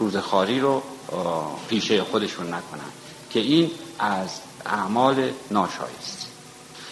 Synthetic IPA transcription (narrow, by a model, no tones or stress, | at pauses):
ɾuːzexɒːɾiːɾo | pʰiːʃejexod̪e̞ʃunːækʰonæ̰nd̪̥ | kʰe̞iːnʔæz | æ̰mɒːlenɒːʃɒ̰ːjḭst̪